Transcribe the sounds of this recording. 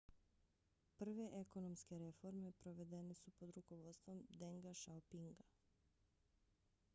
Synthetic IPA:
pr̩ʋe̞ʔeko̞nomske̞ɾe̞fo̞ɾme̞pɾo̞ʋe̞d̪e̞nesupo̞d̪ɾuko̞ʋo̞t̪st̪ʋo̞md̪eŋɡaʃaopiŋɡa

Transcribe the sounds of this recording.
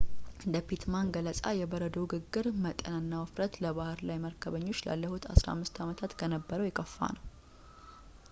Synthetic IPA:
ɨnd̪əpit̪manɡələsʼajɛbəɾəd̪əwɡɨɡːɨɾmət̪ʼənənːawəfɾət̪ləβahɨɾlajməɾkʰəβəɲːo̞t͡ʃːla̰lːəhut̪ʰa̰sɾa̰mːɨst̪amət̪ʰat̪kʰənəbːəɾəwjɪkʼːəfːa̰nəw

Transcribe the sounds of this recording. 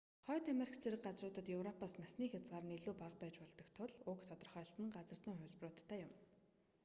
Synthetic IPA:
χœːt̪ameɾikʰt͡sʰeɾɘ̆kɢat͡srʊːt̪ə̆t̪jɵwrɔpaːsnasniːxʲat͡sʁaːrə̆neɮuːpaq̚pæːt͡ɕpɔɮt̪ɞ̆kt̪ʰʊɮʊkt̪ʰɔt̪ɞ̆rχœ̆ːɬt̪ə̆ŋɢat͡sə̆r̥t͡sə̆ŋχʊ̟ɮʲprʊːt̪ʰːæːjʊm

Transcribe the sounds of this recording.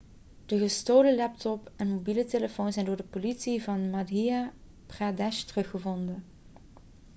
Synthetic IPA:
d̥əɣəstowləlɛp̚tɔpɛnmobiləteləfownzɛjndʊːɹdəpolitsivɑnmadija | pradɛʃtərɵxəvɔndən

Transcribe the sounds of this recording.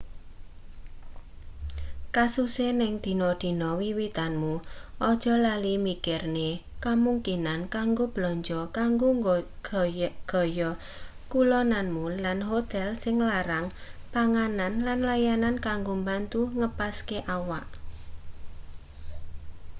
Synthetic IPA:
kasusenɪŋd̪̥i̤nɔd̪̥i̤nɔwiwit̪anmuʔɔd̥ʒ̥ɔ̤lalimikɪrnekamuŋkinankaŋɡob̥lɔɲd͡ʒɔkaŋɡoɡɡ̥ɔ̤jɔ | kulɔnanmulanɦot̪ɛlsɪŋlaɾaŋpaŋananlanlajanankaŋɡombant̪uŋəpaskeʔawaʔ

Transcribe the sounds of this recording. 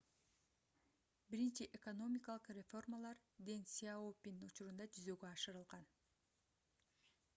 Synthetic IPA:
biɾint͡ʃiʔekono̞mʲɪkalˠɯqrʲefo̞rmalˠɑɾd̪ensʲiaopʲinut͡ʃuɾund̪ɑd͡ʒyzø̞ːɡøɑʃɯɾɯlˠʁɑn

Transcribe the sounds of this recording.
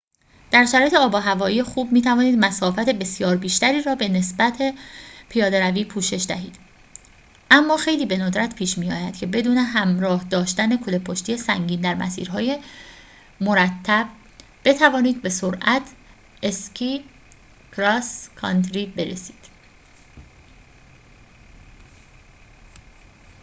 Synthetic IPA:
d̪̥æɾʃæɾɒːjeeɒːbɒːɦævɒːijexuːb̚miːt̪ʰævɒːniːd̪mæsɒːfæt̪ʰe̞be̞sjɒːɾbiːʃt̪æɾiːɾɒːbe̞ne̞sbæt̪ʰe̞pʰijɒːd̪eɾæviːpʰuːʃe̞ʃd̪æ̰ɦḭːd̪̥ | ʔæmːɒːxe̞jliːbe̞nod̪ɾæt̪ʰpʰiːʃmijɒ̰ːjæd̪̥cʰe̞be̞d̪uːne̞ɦæmɾɒːhd̪ɒːʃt̪æne̞kʰolepʰoʃt̪ije̞sæŋɟiːnd̪æɾmæ̰sḭːɾɦɒːje̞ | mo̞ɾæt̪ʰːæb̥̚ | b̥e̞t̪ʰævɒːniːd̪̚be̞soɾʔæt̪ʰ | eskʰi | kɾɒskʰɒ̰nt̪ɾiːbe̞ɾe̞si̥ːd̪̥

